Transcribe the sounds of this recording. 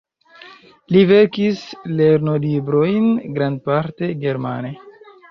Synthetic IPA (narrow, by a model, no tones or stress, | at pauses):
live̞ɾkisle̞ɾnolibɾo̞jnɡɾand̚paɾte̞ɡe̞ɾma̰ne